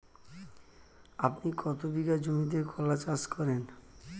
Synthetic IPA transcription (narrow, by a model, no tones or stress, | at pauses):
apnikʰɔt̪obiɡad͡ʑomid̪eɾkʰɔlat͡ɕaskɔɾen